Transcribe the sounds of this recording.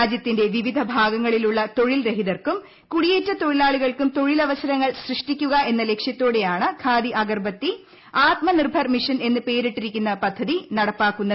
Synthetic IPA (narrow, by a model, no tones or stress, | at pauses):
aːd͡ʑjɐt̪ːinde̞ʋiʋid̪ʱɐbʱaːɡɐŋːɐɭiluɭːɐt̪o̞ɻilɾeɦiðɐrkum | kuɽijeːtːɐt̪o̞ɻilaːɭiɣɐɭkumt̪o̞ɻilɐʋɐsɐɾɐŋːɐɭsrɨʂʈikʲːuɣɐe̞nːɐle̞kʂjɐt̪ːo̞ːɽe̞jaːɳɨkʰaːd̪iʔɐɡɐrbʱɐt̪ːi | aːt̪̚mɐnirbʱɐrmiʂɐne̞nːɨpe̞ːɾiʈːiɾikʲːunːɐpɐd̪ʱːɐðinɐɽɐpːaːkːunːɐ